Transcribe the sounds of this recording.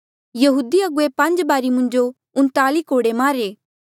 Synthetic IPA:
jɐɦuːd̪iɐɡʊepɐ̃ɲd͡ʒbaːɾimʊ̃ɲd͡ʒo | ʊ̃nt̪aːlikoːɽemaːɾeː

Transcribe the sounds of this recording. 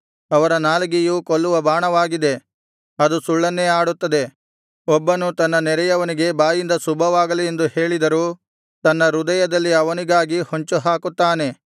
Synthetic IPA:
ɐʋɐɾɐnaːlɐɡijuːkolːuʋɐbaːɳɐʋaːɡid̪e̞ | ɐd̪usuɭːɐnːeaːɽut̪ːɐd̪e̞ | ɔbːɐnut̪ɐnːɐnɛɾɛjɐʋɐniɡe̞baːjind̪ɐsubʱɐʋaːɡɐliend̪uhe̞ːɭid̪ɐɾuː | t̪ɐnːɐɾud̪ɐjɐd̪ɐlːiɐʋɐniɡaːɡihoɲt͡ʃuɦaːkut̪ːaːne̞

